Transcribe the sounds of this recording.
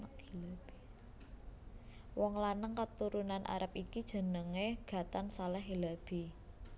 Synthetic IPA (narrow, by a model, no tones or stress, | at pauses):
əhilab̥i | wɔŋlanəŋkat̪uɾunanʔa̰ɾəpikid̥ʒ̥ə̤nəŋeɡ̥ä̤t̪ansalɛhɦilab̥i̤